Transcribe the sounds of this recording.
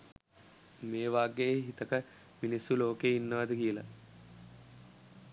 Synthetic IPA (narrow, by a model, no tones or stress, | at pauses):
meːʋaːɡejeɦit̪əkə | minisːuloːkeinːəʋad̪əkiəla̰